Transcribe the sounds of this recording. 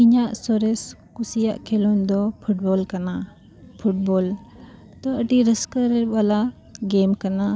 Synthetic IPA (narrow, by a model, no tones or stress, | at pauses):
iɲaʔsɔɾɛskusijaʔkʰɛlɔnd̪ɔpʰuʈ̚bɔlkana | pʰuʈ̚bɔl | t̪ɔəʈiɾəskəɾɛbala | ɡɛmkana